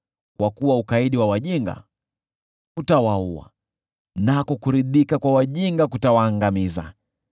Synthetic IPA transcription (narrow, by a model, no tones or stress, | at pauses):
kwakuwaukaiɗiwawaʄiŋɡa̰ | utawaua̰ | nakɔkuɾiðikakwawaʄiŋɡakutawaːŋɡamiza̰